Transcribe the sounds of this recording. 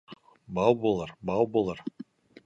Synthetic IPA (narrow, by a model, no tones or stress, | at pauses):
bɑwbolˠəɾbɑwbolˠəɾ